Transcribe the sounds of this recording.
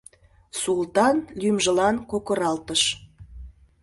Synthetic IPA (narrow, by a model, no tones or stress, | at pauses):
sult̪ɑnlʲymʒə̆lɑnkokə̆ɾɑlt̪əʃ